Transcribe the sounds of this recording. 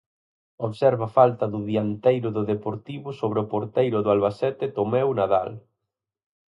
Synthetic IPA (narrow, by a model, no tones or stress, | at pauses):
oβsɛɾβafalt̪ɐðʊðiant̪ejɾʊðʊðepoɾt̪iβʊsoβɾeʊpoɾt̪ejɾʊðʊalβasɛt̪ɪt̪omɛwnaða̰l